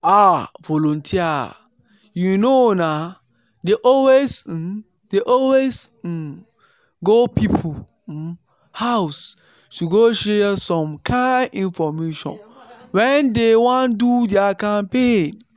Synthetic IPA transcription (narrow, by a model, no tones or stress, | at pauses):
avɔlɔ̃ntʰia̰ | junona | deʔɔlwes̩ | deʔɔlwes̩ | ɡopʰipʰu | haʊs | tuɡoʃɛsɔ̃mkʰãɪnĩnfɔmeʃɔ̰̃nwɛ̃ndewãndudɛakãmpẽn